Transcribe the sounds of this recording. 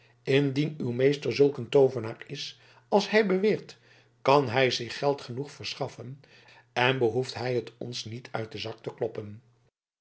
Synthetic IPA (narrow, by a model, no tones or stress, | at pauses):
ɪndinywmejstəɹzɵlˠkəntowvənaːɹɪs | ɑlˠsɦɛjbəʋɪːɹt | kɑnɦɛjzɪχːɛlˠtχənuχfəɹsχɑfən | ɛnbəɦuftɦɛjɦətɔ̰nsnitʰœ̰ɥt̚dəzɑk̚təklɔpən